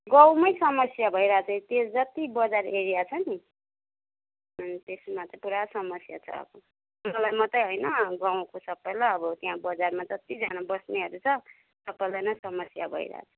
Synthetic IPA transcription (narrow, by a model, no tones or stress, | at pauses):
ɡʌ̃w̃mʌjsʌmʌsjabʱʌjɾʌaɦat͡sʰʌt̪esd͡zʌt̪ibʌd͡zareɾijat͡sʰʌni | ʌnt̪esmat͡sʌpuɾasʌmʌsja̰t͡sʰʌ̰ʌ̰bʌ | mʌlajmʌt̪ʌjɦojnʌɡãw̃kosʌbːʌjlaʌbʌt̪jɦãbʌd͡zarmad͡zʌt̪id͡zanabʌsneɦʌɾut͡sʰʌ | sʌbʌjlajnʌsʌmʌsja̰bʱʌ̰ḭɾʌ̰a̰t͡sʰʌ̥